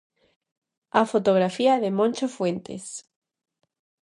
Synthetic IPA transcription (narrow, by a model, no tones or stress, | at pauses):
afot̪oɣ̞ɾafiaðemõnt͡ʃofwent̪ḛs